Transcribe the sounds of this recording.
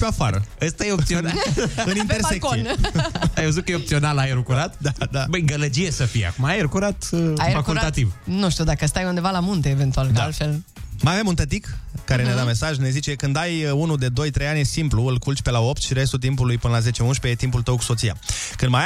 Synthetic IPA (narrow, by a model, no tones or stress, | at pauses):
peafaɾəəst̪ajeosionaɨnint̪ersseksoieajvəzut̪̚kəjeop̪̚sio̞nalaeɾukuɾat̪̚d̪ad̪abəjɡələd͡ʒijesəfija̰kumaajeɾkuɾat̪aefakulɾt̪at̪ivnuʃt̪iud̪akəst̪ajund̪e̞valamunt̪e̞ːve̞nt̪uald̪aalfe̞l | majave̞munt̪ət̪ikkːaɾe̞ned̪ame̞saʒne̞zit͡ʃe̞kɨnd̪ajunud̪e̞d̪o̞jt̪ɾejanʲsimpluɨlkult͡ʃʲpe̞lao̞pt̪ʃiɾe̞st̪ult̪impulujpɨnəlaze̞t͡ʃeunʃpeet̪impult̪əwku̥so̞t̪sija̰kɨnd̪maj